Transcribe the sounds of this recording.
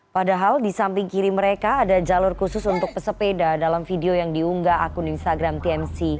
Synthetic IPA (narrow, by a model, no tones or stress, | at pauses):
padaɦaldisampɪŋkiɾiməɾekaːdad͡ʒalʊrkusʊsunt̪ʊk̚pəsəpedadalamfideojaŋdiuŋɡaʔːkuninst̪aɡɾamt̪iɛmsi